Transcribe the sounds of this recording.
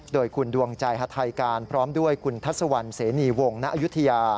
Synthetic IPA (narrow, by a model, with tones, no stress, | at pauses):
doː˧jkʰu˧ndu˧˩əŋt͡ɕa˧jɦa˧t̪ʰa˧jkaː˧npʰɾɔː˦˥mdu˥˩əjkʰu˧nt̪ʰa˦˥˩t̪̚sa˧wa˧nseː˩˦niː˧wo˧ŋna˦ʔju˦˥t̪ʰːa˧jaː˧